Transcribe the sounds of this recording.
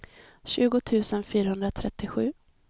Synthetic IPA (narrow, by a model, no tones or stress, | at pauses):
ɕʉ̟ːɡʊt̪ʰʉ̟ːsənfyːɾahɵnd̪ɾat̪ʰɾɛt̪ːɪɧʉ̟ː